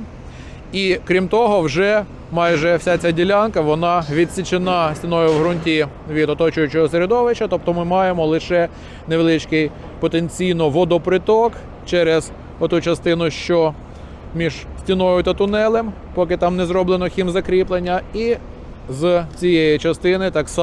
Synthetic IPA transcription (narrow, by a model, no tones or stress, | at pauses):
ikɾʲimt̪ɔɦɔwʒɛ | mɑjʒɛwsʲat͡sʲadʲilʲankɐʋɔnɑʋʲid̪ʲsʲit͡ʃenɑsʲtʲinɔjʊʋɦɾʊnʲtʲi | ʋʲid̪ɔt̪ɔt͡ʃʊjʊt͡ʃɪɦɔseɾed̪ɔʋɪʃt͡ʃːɐt̪ɔp̚t̪ɔmɪmɑjemɔlˠɪʃɛ | neʋelˠɪt͡ʃkɪj | pɔt̪enʲt͡sʲijnɔʋɔd̪ɔpɾɪt̪ɔk | t͡ʃɛɾez | ɔt̪ut͡ʃɐst̪ɪnʊʃt͡ʃɔ | mʲiʒ̥sʲtʲinɔjʊt̪ɐt̪ʊnɛlˠem | pɔkɪt̪ɑmnɛzɾɔblˠenɔxʲimzɐkɾʲiplˠenʲːɐi | zt͡sʲijɛjit͡ʃɐst̪ɪnɪt̪ɑks